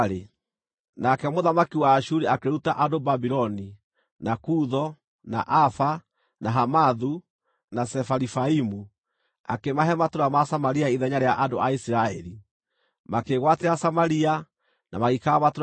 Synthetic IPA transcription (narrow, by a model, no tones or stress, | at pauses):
ɾe | nakɛmoðamakiwaːʃuɾiakeɾutaʔadobabiɾɔni | nakuðɔ | na̰ʔafa | naɦamaðu | nasɛfaɾifaimu | a̰kemaɦɛmatoɾamasamaɾiaiðɛɲaɾeaʔandoʔaisiɾaɛɾi | makeɣwateasamaɾia | namaɣikaβato